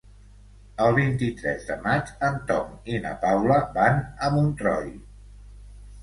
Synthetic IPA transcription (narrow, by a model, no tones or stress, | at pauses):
əlˠβint̪it̪ɾɛ̰zðəmad͡ʒənt̪ɔŋinə̰pawləbanəmunt̪ɾɔ̰j